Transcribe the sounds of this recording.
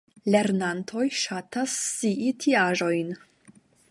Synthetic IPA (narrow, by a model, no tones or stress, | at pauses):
le̞ɾnantʰo̞jʃatasːiʔitʰiaʒo̞jn